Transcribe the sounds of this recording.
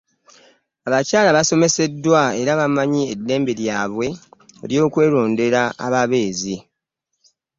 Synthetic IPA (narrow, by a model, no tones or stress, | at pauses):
aβacaːlaβaso̞me̞se̞dːwae̞ɾaβamaɲie̞dːe̞ːmbe̞ɾjaːβwe̞eljo̞ːkwe̞ːɾo̞ːnde̞ɾaa̰βaβe̞ːzi